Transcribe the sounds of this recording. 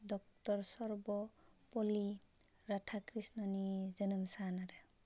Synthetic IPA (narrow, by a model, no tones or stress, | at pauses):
d̪ɔk̚t̪ɔɾsɔɾbɔpɔli | ɾaʈʰakɾisnɔnid͡ʒɔnəmsanaɾe